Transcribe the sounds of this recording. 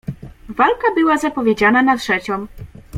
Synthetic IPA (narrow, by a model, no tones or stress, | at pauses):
valkabɘwazapɔvʲed͡ʑananatʂɛt͡ɕɔm